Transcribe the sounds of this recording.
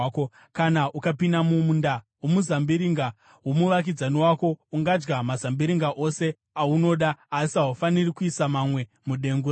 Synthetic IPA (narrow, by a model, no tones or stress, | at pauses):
k | kanaʔukapindamumunda | womuzambiɾiŋɡa | ɦwomuʋak̬id͡zaniwako̞uŋɡad͡ʒɡamazambiɾiŋɡaʔo̞se̞ | auno̞ɗaːsiaɦufanirikuisamamwe̞ | muɗe̞ŋɡu